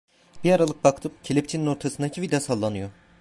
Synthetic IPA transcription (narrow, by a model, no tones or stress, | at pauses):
b̥iaɾalˠɯk̚bakt̪ʰɯpcʰelʲip̚t͡ʃʰinino̞ɾt̪ʰasɯnd̪acʰivid̪asalˠːanɯjo̞